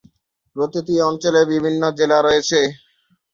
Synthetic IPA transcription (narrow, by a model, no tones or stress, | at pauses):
pɾot̪it̪iɔnt͡ɕolebibʱinːod͡ʑelaɾɔet͡ɕʰe